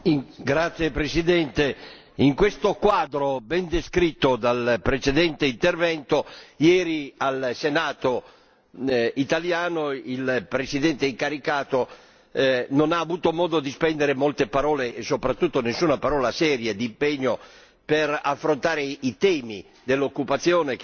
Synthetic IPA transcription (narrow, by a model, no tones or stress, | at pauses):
ɡɾat̪sːjepɾesid̪ɛnt̪e | iŋkwest̪okwaːd̪ɾobɛnd̪eskɾit̪ːod̪alpɾet͡ʃed̪ɛnt̪eint̪ervɛnt̪ojɛːɾialsenaːt̪o | it̪aljaːnoilpɾesid̪ɛnt̪eiŋkaɾikaːt̪o | nonaːvuːt̪omɔːd̪od̪ispɛnd̪eɾemɔlt̪epaɾɔːlesopɾat̪ːut̪ːonesːuːnapaɾɔːlasɛːɾjad̪impeɲːo | peɾafːɾont̪aːɾeit̪ɛːmḭ | d̪elːokːupat̪sːjɔːnek